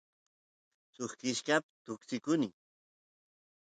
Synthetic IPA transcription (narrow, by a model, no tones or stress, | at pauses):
soχkɪʃkapt̪ʊksɪkʊnɪŋ